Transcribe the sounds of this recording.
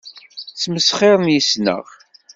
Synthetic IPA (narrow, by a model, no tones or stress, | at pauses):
t͡sːməsχeɾˤənjisnə̰ʁ